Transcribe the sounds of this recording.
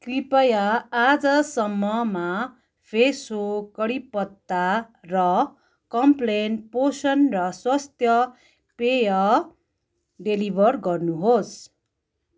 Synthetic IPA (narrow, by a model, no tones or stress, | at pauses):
kripʌjaːd͡zʌsʌmːʌma | pʰesokʌɽipʌt̪ːarʌ | kʌmplenposʌnrʌswast̪jʌ | pejʌ | ɖelibʱʌrɡʌrnuɦos